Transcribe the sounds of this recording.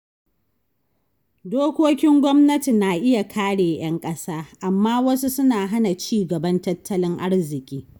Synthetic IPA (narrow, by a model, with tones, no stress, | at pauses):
doː˦kʷoː˦kʲɪ˦ŋɡʷɔ˦mnɐ˦ti˨naː˨ʔɪ˦ja˨kʰaː˦ɽeː˨j̰ɐ˦ŋkʼɐ˦saː˦ʔa˨mːaː˦wɐ˦su˦sʊ˦naː˨ɦa˦na˨t͡ʃiː˦ɡɐ˨bɐ˦ntɐ˦tːɐ˦lɪ˦ŋʔa˦ɽzɪ˨kʲʼiː˦